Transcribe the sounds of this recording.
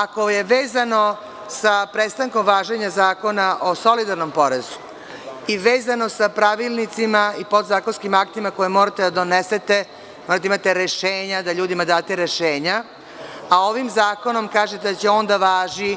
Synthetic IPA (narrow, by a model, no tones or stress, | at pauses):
akoje̞ʋeːzano̞ | sapɾest̪aŋko̞mʋaːʒeɲazaːko̞naʔoso̞lid̪aɾno̞mpo̞ɾezu̥ | iʋeːzano̞sapɾaʋilˠnit̪simaipo̞d̪zaːko̞nskimakt̪imako̞jemoːɾat̪ed̪ad̪o̞nese̞t̪e̞ | moɾat̪aimat̪eɾeʃeːɲad̪aʎuːd̪imad̪aːt̪eɾeʃeːɲa | ao̞ʋimzaːko̞no̞mkaːʒet̪ed̪at͡ɕeo̞nd̪aʋaːʒi